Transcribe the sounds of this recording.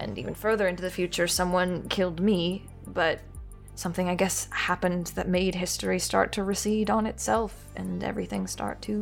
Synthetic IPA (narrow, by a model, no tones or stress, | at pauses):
ʔɨ̰̃nḭvɨ̃nfɜ˞ðə˞ɪ̃ntʉðɨfjʉt͡ʃə˞sʌ̃mwʌ̃nkʰɪlˠd̚mi | b̥ʌt̚ | sʌ̃mθɪ̃ŋaɪɡɛshæpɨ̃nðɨt̚meɪd̚ɦɪstɹistɑ̰ɹtʰɨɹɨsiɾn̩ɨtsɛlˠf | ʔɨ̰̃nɛ̰vɹiθɪ̃ŋstʰɑ̰ɹtʰʉ